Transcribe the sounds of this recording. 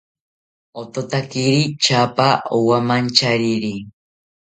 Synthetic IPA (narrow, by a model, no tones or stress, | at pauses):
ot̪ot̪akiɾit͡ʃapaowamant͡ʃaɾiɾi